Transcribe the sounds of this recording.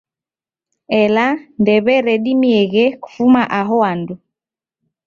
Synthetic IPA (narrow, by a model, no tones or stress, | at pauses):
ɛlandɛβɛɾɛɗimiɛɣɛku̥fumaʔaɦɔandu